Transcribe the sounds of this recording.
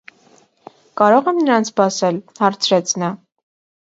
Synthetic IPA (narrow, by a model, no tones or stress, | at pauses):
kɑɾɔʁɛmnəɾɑnt͡sʰpɑsɛlhɑɾt͡sʰɾɛt͡sʰnɑ